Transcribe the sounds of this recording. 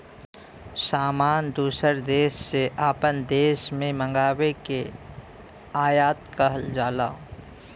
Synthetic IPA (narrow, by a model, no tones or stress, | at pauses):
saːmaːnd̪uːsəɾd̪eːʃsːeʔaːpənd̪eːʃmẽmə̃ŋɡaːweke | aːjaːt̪kaɦəld͡ʒaːla̰ː